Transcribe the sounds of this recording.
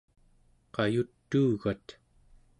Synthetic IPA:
qɑjut̪ːuːɣat̪

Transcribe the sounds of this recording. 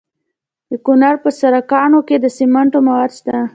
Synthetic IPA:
d̪əkʊnaɾpəsaɾakɑnoked̪əsimaɳʈomawad̪ʃt̪a

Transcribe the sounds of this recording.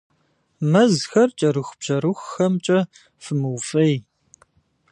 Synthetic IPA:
mɐzxɐrt͡ʃʼɐɾɨxbʒɐɾɨxːɐmt͡ʃʼɐ | fɨmɨwfɐj

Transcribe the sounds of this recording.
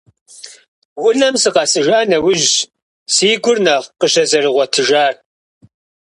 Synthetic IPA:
wʊɮɐmsɨqɑsɨʒaːnɐwʊʒ | siːɡʷʊrnɐqəʃɐzɐrɨʁʷɔtʰɨʒaːr

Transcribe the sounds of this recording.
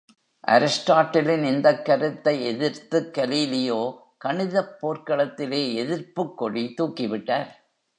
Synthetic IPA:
ʔɐ̰ɾɪsʈaːʈːɐlɪnɪnd̪ɐkːɐɾɯt̪ːɐɪɛðɪɾt̪ɯkːɐliːlɪjoː | kɐɳɪðɐpːoːɾkɐɭɐt̪ːɪleːɛðɪɾpɯkːɔɽit̪uːkːɪʋɪʈːaːɾ

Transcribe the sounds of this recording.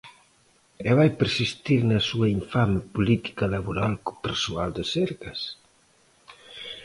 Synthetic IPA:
ɛβajpeɾsist̪iɾnɐsuɐiɱfamɪpulit̪i̥kalaβoɾalko̥peɾsuald̪ɪsɛɾkɐs

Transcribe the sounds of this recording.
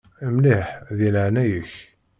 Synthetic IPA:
mliħðiləʕnæjəç

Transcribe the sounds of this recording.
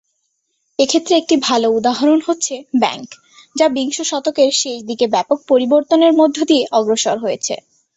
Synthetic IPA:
ekʰet̪ːɾeek̚ʈibʱaloud̪aɦaɾonɦotːɕʰebɛ̰ŋk | d͡ʑabiŋʃoʃɔt̪okeɾʃeʃd̪ikebɛpok̚poɾiboɾt̪oneɾmod̪ʱːod̪ieʔɔɡɾoʃaɾɦojet͡ɕʰḛ

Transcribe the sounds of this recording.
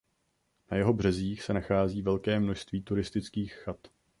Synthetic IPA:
najɛɦo̞br̝ɛziːxsɛnaxaːziːvɛlkɛːmno̞ʃst̪viːt̪uɾɪst̪ɪt͡skiːxːat̪

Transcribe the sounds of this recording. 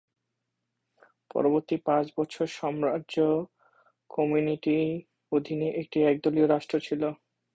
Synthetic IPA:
pɔ̰ɾoboɾt̪ipãt͡ɕbɔt͡ɕʰoɾʃɔmɾaʑo | kɔmuniʈi | od̪ʱineʔek̚ʈiɛk̚d̪olioɾaʃʈɾot͡ɕʰilo

